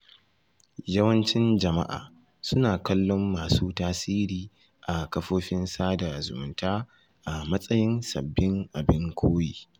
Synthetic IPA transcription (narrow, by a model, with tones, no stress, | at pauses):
jɐ˦wɐ˦nt͡ʃɪ˦nd͡ʒɐ˨ma̰˦ʔa̰ː˨ | sʊ˦naː˨kɐ˦lːɔ˦mːaː˨suː˦taː˦siː˦ɾiː˨ | ʔa˨kɐ˦ɸoː˦ɸɪ˦nsaː˦da˨zʊ̰˨mʊ˨ntaː˦ | ʔa˨mɐ˦sʼɐ˦jɪ˦nsɐ̰˨bːɪ˦ŋʔa˨bɪ˦ŋkʷʰoː˦jiː˨